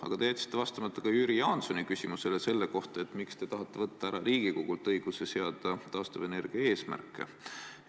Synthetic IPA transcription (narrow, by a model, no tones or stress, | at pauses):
ɑ̰ɡ̥ɑt̪e̞et̪si̥t̪ːevɑst̪ɑmɑt̪ːˑɑ̥kɑjyːɾijɑːnsonikysʲimuselese̞lːeko̞ht̪ɑe̞t̪ːˑmikst̪e̞t̪ɑɦɑt̪ːe̞vɤt̪ːɑæɾɑɾiːɡ̥ikoɡ̥ult̪ɤjɡ̥use̞se̞ɑd̪̥ɑt̪ɑːst̪ove̞ne̞rɡ̥iɑe̞ːsmæ̰rkːˑḛ